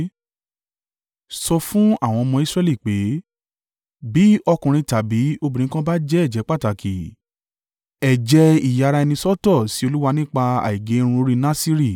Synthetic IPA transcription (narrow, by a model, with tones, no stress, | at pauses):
sɔ˧fũ˦a˦˨w̃ɔ̃˧mɔ̃˧i˦sɾɛ˦˧li˦˨k͡pe˨˦ | bi˨˦ɔ˧kũ˨ɾ̃ĩ˧ta˨bi˨˦o˧bĩ˨ĩ˨˦kã˦ba˦d͡ʒɛ˦ɛ˦˨d͡ʒɛ˨˦k͡pa˦ta˨kʰi˨ | ɛ˨d͡ʒɛ˨˦i˨ja˨˧ɾa˧ɛ˧nĩ˧sɔ˦tɔ˦˨si˨˦o˧lu˦wa˧nĩ˦k͡pa˧a̰˨i˨ɡe˨˦ɾ̃ũ˧o˦ɾi˦nã˦si˦ɾi˦˨